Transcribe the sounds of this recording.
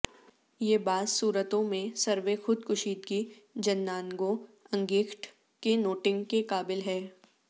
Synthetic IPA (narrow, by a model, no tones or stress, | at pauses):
jeːbaːzsuːɾət̪õmẽsɐɾʋexʊd̪kʊʃiːt̪ɡi | d͡ʒɐnːaːnɡõɐ̃ŋɡiːkʰʈ | kenoːʈɪ̃ŋɡkekaːbɪlɦɛː